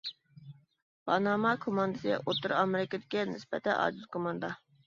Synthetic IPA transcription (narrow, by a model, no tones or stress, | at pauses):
bɑnɑmɑkʰomɑnd̪ɨsɨjʲɛ̰ʔot̪uɾɑmɪɾɪkʲɪd̪ɪkʲɛnɪ̰spɛt̪ʰɛnʔɑ̰d͡ʒ̪ɪzkʰomɑnd̪ɑ